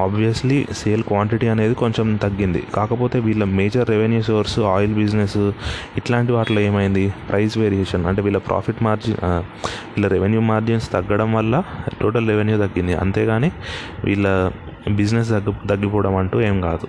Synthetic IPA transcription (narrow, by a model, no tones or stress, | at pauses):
aːbʱʋijɐslise̞ːlkʋaːɳʈiʈiɐne̞ːd̪iko̞ɲt͡ʃemt̪ɐɡːind̪ḭkaːkɐpo̞ːt̪e̞ːʋiːɭːɐmeːd͡ʒɐɾːeʋenjuːsoːɾsaːjlbid͡ʒnesiʈlaːɳʈiʋaːʈloːeːmɐjind̪ipɾʔɐjsʋeːɾieːʂɐnɐ̰ɳʈeːʋiːɭːlːɐpɾʔa̰ːpʰiʈmaːɾd͡ʒi | ʋiːɭːɐɾeʋenjuːmaːɾd͡ʒinst̪ɐɡːɐɽɐmʋɐlːɐʈoːʈɐlɾeʋenjuːt̪ɐɡːind̪iʔɐ̰nt̪e̞ːɡaːneːʋḭːɭːɐ | bid͡ʒnes̬ɐɡt̪ɐɡːipɔːɽɐmɐɳʈuːe̞ːmkaːd̪u